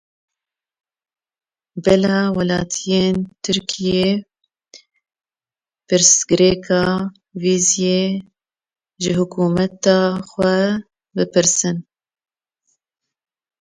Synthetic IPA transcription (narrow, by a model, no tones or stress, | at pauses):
bɛlɑːwɛlɑːt̪ʰijeːnt̪ʰɨɾkʰije | pɨɾsɡɨɾeːkʰɑː | viːzjeː | ʒɪhʊkuːmɛt̪ɑːxʷɛ | bɨpɨɾsɨn